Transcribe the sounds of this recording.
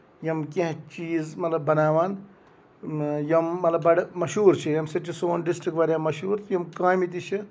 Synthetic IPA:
jɐmkẽɦt͡ʃiːzmɐt̪lɐbːɐnaːʋaːn | jɐmːɐt̪lɐbɐɽmɐʃuːɾt͡ʃʰijɐmsɐʈt͡ʃʰisoːnɖisʈɾikʋɐːɾʲjaːmɐʃuːɾʰjɐmkaːmit̪̬it͡ʃʰi

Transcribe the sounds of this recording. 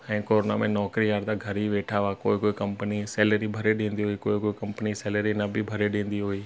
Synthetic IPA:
ɛ̃ːkoːɾona̰mẽnɔːkɾijaːɾd̪aɡʱɐɾiʋeːʈʰaʋakoːikoːikɐ̃mpəniseːləɾibʱɐɾeɗẽːn̆d̪iɦuikoːikoːikɐ̃mpəniseːləɾinɐbʱibʱɐɾeɗĩːnd̪iɦuiː

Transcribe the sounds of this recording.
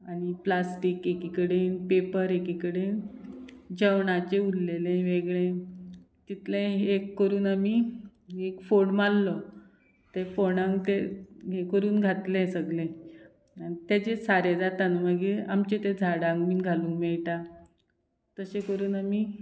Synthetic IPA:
aɽ̃iplasʈiːkekikəɽenpepəɾekikəɽen | d͡ʑəʋɳat͡ɕeulːelẽʋeɡɭẽ | t̪it̪lẽekːəɾuːnami | ekfoɽmalːɔ | t̪efoɽãŋɡt̪eɦekəɾuːnɡʱat̪lẽsəɡlẽ | ait̪jat͡ɕesaɾed͡zat̪anuməɡeamt͡ɕet̪ẽd͡zʱaɽãŋɡmiːnɡʱalũːŋkmɛɭʈa | t̪əsekəɾuːnami

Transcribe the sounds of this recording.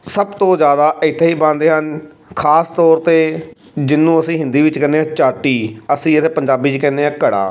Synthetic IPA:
səbt̪õːzjaːd̪aːʔɪt̪ʰːeːɦiːbãːnd̪eːɦən | kʰaːst̪ɔːɾt̪eː | d͡ʒɪnːũːəsĩːɦɪ̃nd̪iːʋɪt͡ʃkəɾneːãːt͡ʃaːʈiːəsĩːɪt̪ʰeːpəɲd͡ʒaːbiːt͡ʃkɛ̃ːnd̪eːãːkəɽa̰ː

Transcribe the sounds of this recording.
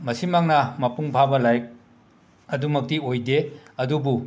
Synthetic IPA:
mɐsimaŋnɐmɐpuŋpʰabɐlajk̚ | ɐdumɐk̚tiojdeɐdubu

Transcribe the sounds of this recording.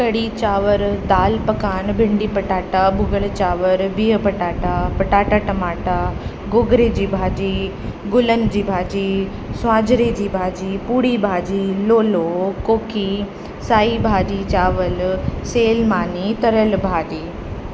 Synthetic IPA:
kɐɽit͡ɕaːʋəɾd̪aːlpɐkaːnbʱɪ̃ɳɖiːpɐʈaːʈabʊɡəlt͡ɕaːʋəɾbiːəpɐʈaːʈapɐʈaːʈaʈɐmaːʈa | ɡoːɡɾed͡ʑiːbʱaːd͡ʑi | ɡʊlənɪ̆d͡ʑiːbʱaːd͡ʑi | sʊaːd͡ʑɾed͡ʑiːbʱaːd͡ʑipuːɽibʱaːd͡ʑiloːlokoːkʰi | saːibʱaːd͡ʑit͡ɕaːʋəlseːlmaːnit̪ɐɾəlbʱaːd͡ʑiː

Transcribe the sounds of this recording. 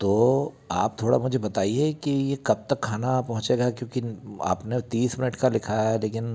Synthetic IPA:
t̪oː | a̰ːp̚t̪ʰoːɽa̰mʊd͡ʒʱebɐt̪aːiekijekɐb̚t̪ɐkʰːaːnapɐɦʊ̃t͡ʃeːɡakjõːkia̰ːpnet̪iːsmɪnəʈkalɪkʰaɦɛleːkɪn

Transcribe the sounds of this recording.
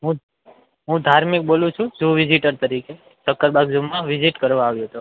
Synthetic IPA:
ɦũ | ɦũd̪ʱaɾmik̚bolũt͡ʃʰũd͡ʒuʋid͡ʒiʈəɾt̪əɾike | səkːəɾbaɡd͡ʒumãʋiziʈkəɾʋãaʋjõɦət̪u

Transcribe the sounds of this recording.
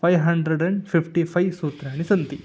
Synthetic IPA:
pʰɐjʋɦɐɳɖɾeɖɐɳɖpʰipʈipʰɐjʋsuːt̪ɾaːnisɐnt̪i

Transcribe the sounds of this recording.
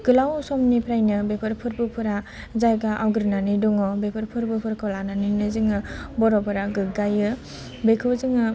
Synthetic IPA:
ɡɯlawsɔmnipʰɾajnɯbepʰɯɾpʰɯɾbɯpʰɯɾa | zajɡaʔawɡɯɾnaniduŋɔbepʰɯɾpʰɯɾbɯpʰɯɾkʰɔlananinɯzɯŋɯbɔɾɔbɔɾaɡɯɡajɯ | bekʰɯwzɯŋɯ

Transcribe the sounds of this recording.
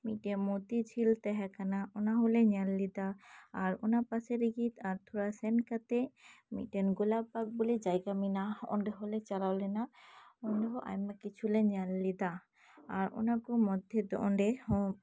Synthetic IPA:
miʈemot̪it͡ʃʰilt̪ɛɦɛkanaʔɔnaɦoleɲalːid̪aːɾo̰napaseɾiɡit̪aɾt̪ʰuɾasɛnkat̪emḭʈenɡolabaɡ̚bolid͡ʒajɡaminaɔ̰ɳɖeɦolet͡ʃaɾawlɛnaɔnɖeɦɔʔa̰jmakit͡ʃʰulɛɲalːid̪aː | ɾo̰nakomɔd̪ʱjed̪ɔʔɔɳɖehɔ

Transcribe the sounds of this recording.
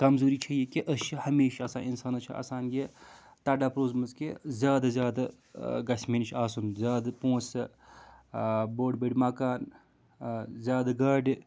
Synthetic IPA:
kɐmzoːɾiːt͡ʃʰɐjekiʔəʃhɐmeːʃɐsaːninsaːnɐt͡ʃʰɐ̰ɐ̰ːsaːnɡe | t̪ɐːɖaːpɾoːzmɐzkezʲjaːd̪ɐzjaːd̪ɐ | ɡɐsʲmeːnt͡ʃʰaːsunzʲaːd̪ɐpõːt͡sɐ | boːɖbeɽʲmɐːkaːn | zʲjaːd̪aɡɐːɖ

